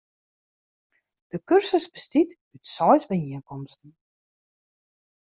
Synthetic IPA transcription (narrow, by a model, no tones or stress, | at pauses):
d̥əkørsəsbəstit | ytsɔjsbəiənkɔmstn̩